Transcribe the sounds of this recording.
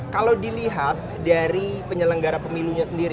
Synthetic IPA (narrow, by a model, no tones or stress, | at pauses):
kalawdiliɦat̪̚daɾipəɲələŋɡaɾapəmiluɲasəndiɾi